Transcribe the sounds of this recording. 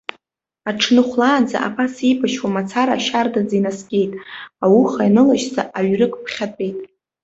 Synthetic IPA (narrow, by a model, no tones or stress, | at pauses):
aʈ͡ʂʰnɨχʷlaːnd͡za̰ʔa̰pʰasibaʃwamat͡sʰaɾaːʃardad͡zainaskʲʼe̞jtʼawuχajnɨlaʃzaʔaɥrɨkʼpʰχʲatʼe̞jtʼ